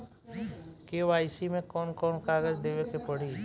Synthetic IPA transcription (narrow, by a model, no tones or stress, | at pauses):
keʋaːɪsimẽkɔːnkɔːnkaːɡəd͡ʒd̪eːʋekepəɽ̤i